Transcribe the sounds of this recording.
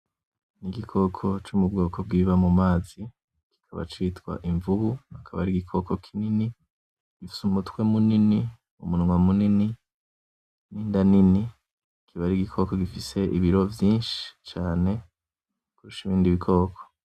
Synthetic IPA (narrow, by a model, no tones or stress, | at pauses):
niɡikʰo̞kʰo̞t͡ʃumubɡo̞ːkʰo̞b̚ɡiːβamumaːzi | ki̥kʰaβa̰t͡ʃiːtwa̰ʔiɱvuβuhakʰaβa̰ɾiɡikʰo̞kokʰinini | ɡ̥ifi̥sumutwe̞munini | umunŋwamunini | niːndanini | kʰiβaɾiɡikʰo̞ko̞ɡifise̞ʔiβiɾo̞vjiːnʃi̥t͡ʃaːne̞ | kuɾuʃiβiːndiβikʰo̞ːkʰo̥